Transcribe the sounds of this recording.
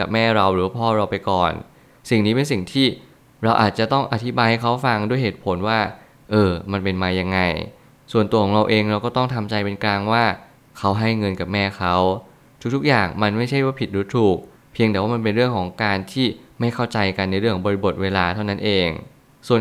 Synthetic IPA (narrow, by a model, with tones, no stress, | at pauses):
ka˨˩p̚mɛː˥˩ɾa˧wɾɯː˩˦waː˥˩pʰɔː˥˩ɾa˧wpa˧jkɔː˨˩n | si˨˩ŋniː˦˥pe˧ns̬i˨˩ŋt̪ʰiː˥˩ | ɾa˧wʔaː˨˩t̪̚t͡ɕa˨˩t̪ɔ˥˩ŋʔa˧˩t̪ʰi˦˥baː˧jha˥˩jkʰa˦˥wfa˧ŋdu˥˩əjheː˨˩t̪̚pʰo˨˩˦nwaː˥˩ | ʔɤː˧ma˧npe˧nmaː˧ja˧ŋːa˧j | su˨˩ənt̪u˧ɔː˩˦ɾa˧wʔeː˧ŋɾa˧wkɔː˥˩t̪ɔ˥˩ŋt̪ʰa˧mt͡ɕa˧jpe˧nklaː˧ŋwaː˥˩ | kʰa˦˥wɦa˥˩jŋɤ˧nka˨˩p̚mɛː˥˩kʰa˦˥w | t̪ʰu˦˥t̪ʰu˦˥k̚jaː˨˩ŋma˧nma˥˩jt͡ɕʰa˥˩jwaː˥˩pʰi˨˩t̪̚ɾu˦˥t̪ʰːuː˨˩k̚ | pʰi˧əŋt̪ɛː˨˦waː˥˩m˧npe˧nɾɯ˥˩əŋkʰɔː˩˦ŋkaː˧nt̪ʰiː˥˩ma˥˩jkʰa˥˩wt͡ɕa˧jka˧nːa˧jɾɯ˥˩ŋkʰːɔ˩˧bɔː˧ɾi˧˩bo˨˩t̪̚weː˧laː˧t̪ʰa˥˩wna˦˥nʔeː˧ŋ | su˨˩ən